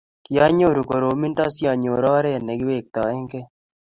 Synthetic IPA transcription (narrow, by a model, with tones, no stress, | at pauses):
ki˨ja˦ɲo˦˨ɾu˨ko˨ɾo˨mi˦nta˦sja˨ɲo˨ɾɔː˦ɾɛ˦˨nɛ˨kɪ˦we˦˨k̚t̪a˨ɛ˦ŋkɛ˦